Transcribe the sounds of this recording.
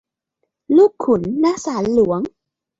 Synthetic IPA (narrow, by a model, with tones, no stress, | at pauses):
luː˥˩kʰːu˩˦nːaː˦˥saː˩˦nlu˩˦əŋ